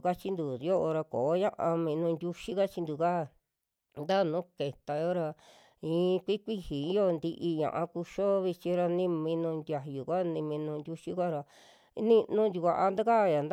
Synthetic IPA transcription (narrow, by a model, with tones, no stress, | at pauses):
ka˦t͡ʃi˦nd̪u˨jo˦ʔo˧ɾa˧koː˨˦ɲã̰˦ʔã˧mĩ˧nũː˧nd̪ʲu˦ʃi˦ka˦t͡ʃi˧nd̪u˨ka˦˨ | nd̪a˦˨nũ˨˦ke˨t̪a˨jo˦ɾa˧ | ĩː˨˦˧kʷi˦kʷi˦hi˨ĩ˧˦jo˦˧nd̪i˧ʔi˧ɲã̰˨ʔã̰˧ku˧ʃo˦βi˧t͡ʃĩ˧ɾa˧nĩ˧mĩ˧nũ˧nd̪ʲa˧ju˨kʷa˦˧nĩ˧mĩ˧nũ˧ndʲu˧ʃi˦kʷa˦ɾa˧ | nĩ˦nũ˦nd̪ʲu˧kʷa˧ʔa˧nd̪a˦ka˦˨ja˨nd̪